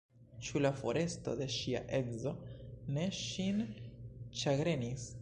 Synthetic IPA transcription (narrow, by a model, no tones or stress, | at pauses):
t͡ʃulafo̞ɾe̞sto̞̰de̞ʃia̰ʔe̞zo̞ne̞ʃin | t͡ʃaɡɾe̞nis